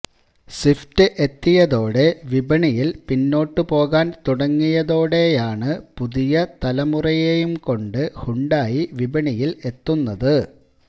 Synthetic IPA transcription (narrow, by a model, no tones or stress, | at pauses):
siftɨʔe̞t̪ːijɐðo̞ːɽe̞ʋibɐɳijilpinːo̞ːʈːɨpo̞ːɣaːnt̪uɽɐŋːijɐðo̞ːɽe̞jaːɳɨpuðijɐt̪ɐlɐmurɐjejumko̞ɳɖɨhuɳɖaːjiʋibɐɳijile̞t̪ːunːɐðɨ